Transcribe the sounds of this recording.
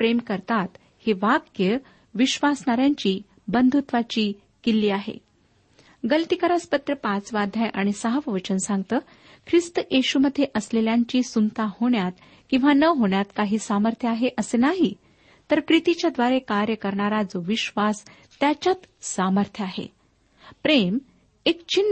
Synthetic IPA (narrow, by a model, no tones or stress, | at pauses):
pɾemkəɾt̪at̪ | heʋakjə | ʋiɕʋasnaɾjaɲt͡ɕiː | bənd̪ʱut̪ʋat͡ɕiː | kilːiːaɦḛ | ɡəlt̪ikəɾaspət̪ɾəpat͡sʋad̪ʱjajʔaɽ̃isəɦəʋəʋət͡ɕənsãŋɡt̪əː | kʰɾist̪əjʔeɕuməd̪ʱːjeʔəsleljaɲt͡ɕiːsunt̪ahoɳjat̪ | kĩw̃ʋanəɦoɳjat̪kaɦiːsaməɾt̪ʰjəaɦeʔəsenaɦi | t̪əɾpɾit̪it͡ɕjad̪ʋaɾekaɾjəkəɾɳaɾad͡zoʋiɕʋas | t̪jat͡ɕat̪saməɾt̪ʰjəaɦḛ | pɾem | ekt͡ɕin